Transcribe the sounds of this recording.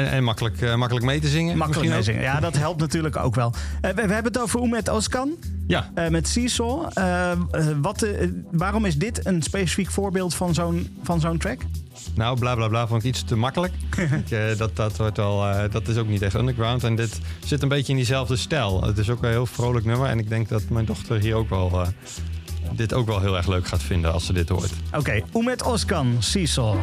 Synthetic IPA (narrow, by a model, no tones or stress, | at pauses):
ɛ̰nmakələkmakələkmejtəzɪŋəmɑkələzɪ̰ŋə̰jadɑtɦɛlˠp̚tnatyːɹləko̰wkʋɛlˠʋəɦɛbənətowvərumɛtɔskɑnjaəmɛtsisɔə | ʋɑtʋaːrɔmɪzdɪtənspesi̥fikfʊːɹbɪːlˠtfɑnzownfɑnzowntrɛk | nowblaːblaːblaːfɔnɪkistəmakələkɪkdɔt̚ɔtʋɔtʋɛlˠdɔtɪsowknitɛχtɔ̰ndəɡɹawntɛndɪtsɪtənbejtəɪndizɛlˠvdəstɛlˠə̰tɪs̬okɛɦɪːlˠfrowləknøməɹɛ̰nɪɡ̚dɛŋk̚dɔtmɛjndɔχtʰəɹɦiːɹowkʋɛlˠ | dɪtowkʋɛlˠɦɪːlˠɛɹxløkχaːtfɪndənɑ̰lˠsədɪthʊ̰ːtʔowkejumɛtɔskɑnsislˠ